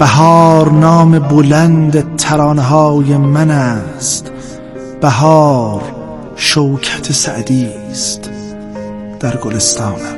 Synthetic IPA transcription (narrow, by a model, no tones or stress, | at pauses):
b̥æɦɒːɾnɒːme̞bolænd̪et̪ʰæɾɑːneɦɑːjemænæst̪ | b̥æɦɒːɾ | ʃowkʰæ̥t̪ʰesæʔd̪iː | st̪ | d̪̥æɾɡolest̪ɑːnæ